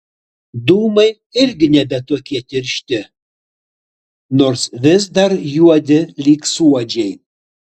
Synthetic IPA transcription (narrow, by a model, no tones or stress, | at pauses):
d̪uːmɐj | ɪrʲɡʲɪnʲɛbʲɛt̪uɔkʲiɛtʲɪrʲʃt̪ʲɪ | noːrsʋʲɪs̬d̪ɐrjuɔd̪ʲɪlʲiːksuɔd͡ʒʲɛj